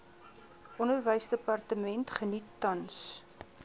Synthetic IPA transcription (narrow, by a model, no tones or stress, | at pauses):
ʔɔnərvəjsdəpɐrtəmɛntχənitːɐns